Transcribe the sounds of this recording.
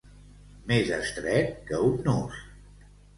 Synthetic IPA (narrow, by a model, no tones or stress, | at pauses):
mezəst̪ɾɛt̪̚kəunːos